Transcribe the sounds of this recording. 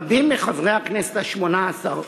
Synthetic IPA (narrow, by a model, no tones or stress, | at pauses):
bimːeχavʁejhaknɛse̥t̪aʃmonaːsaʁ